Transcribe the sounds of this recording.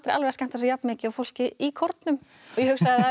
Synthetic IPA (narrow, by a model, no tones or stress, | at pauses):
t̪ɾʔalvɛskɛn̥t̪as̬ɔjapnmɪːcɪawfowl̥cɪikʰɔɾt̪nʏmɔɣjɛhʏksaðɪa